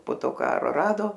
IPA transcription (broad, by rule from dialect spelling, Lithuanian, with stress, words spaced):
poː ˈtoː ˈkɑː ˈrɑːdoː